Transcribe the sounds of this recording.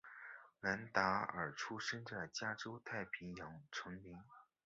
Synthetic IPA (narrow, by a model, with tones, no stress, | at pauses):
na˧˥nt̪a˧˥ə̰˞˨˩ʈ͡ʂʰu˥ʂə˥nʈ͡ʂə˥˩t͡ɕja˥ʈ͡ʂo˥ʊt̪ʰa˥˩ɪpʰi˧˥ŋjɑ˧˥ŋʈ͡ʂʰɤ˧˥ŋmi˧˥ŋ